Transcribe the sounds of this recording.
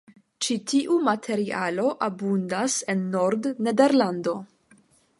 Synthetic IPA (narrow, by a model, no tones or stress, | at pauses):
t͡ʃitiʔumatʰe̞ɾialo̞ʔabundase̞nːo̞ɾdnede̞ɾlando̞